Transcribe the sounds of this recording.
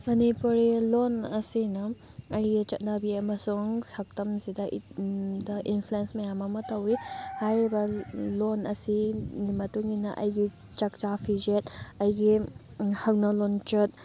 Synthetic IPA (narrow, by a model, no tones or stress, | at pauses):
mɐnipuɾilonɐsinɐ | ɐjɡit͡ʃɐt̚nabiɐmɐsuŋsɐk̚tɐmzidɐ | dɐʔinpʰluensmɐjamɐmɐtɐwihajɾibɐlonɐ̰sinimɐtuŋɡinɐʔɐ̰jɡi | t͡ʃɐk̚t͡ʃapʰid͡ʒet̚ɐjɡi | hɐk̚nɐlont͡ʃɐt̚